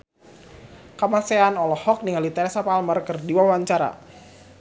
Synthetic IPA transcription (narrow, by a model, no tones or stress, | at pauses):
kəmaseanɔlɔhɔk̚niŋalit̪ɛɾɛsapalmərkərdiwawaɲt͡ʃaɾa̰